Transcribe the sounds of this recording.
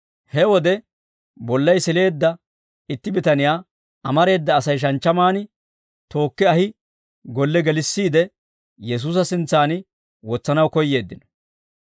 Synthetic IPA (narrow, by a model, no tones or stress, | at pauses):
hɛwɔd̪ɛ | bɔlːɐjsɪle̞ːd̪ːɐ | ɪt̪ːɪbɪt̪ɐnɪjaː | ɐmɐɾe̞ːd̪ːɐːsɐjʃ̬ɐnt͡ʃːɐmaːnɪ | t̪o̞ːkːɪɐhɪ | ɡɔlːɛɡɛlɪsːiːd̪ɛ | jɛs̬uːs̬ɐsɪnt͡sːaːnɪ | wɔt͡sːɐnɐwkɔjːe̞ːd̪ːɪnɔ̥